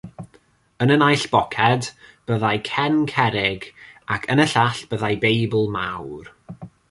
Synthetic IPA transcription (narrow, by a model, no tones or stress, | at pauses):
ənənajɬb̥ɔkʰɛdb̥əðajkʰɛnkʰɛɾɪɡakʰənəɬaɬb̥əðajbejbəlˠmawr